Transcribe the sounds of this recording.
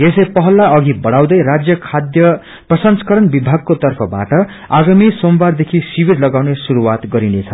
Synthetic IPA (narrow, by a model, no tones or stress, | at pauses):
esepʌɦʌlːaʌɡibʌɽaw̃d̪ʌjɾad͡zjʌkʰad̪jʌ | prʌsʌnskʌɾʌnbibʱaɡ̚kot̪ʌrpʰʌba̰ʈʌ | aɡamisombard̪ekʰisibiɾlʌɡawnesuɾuwat̪ɡʌɾinet͡sʰʌ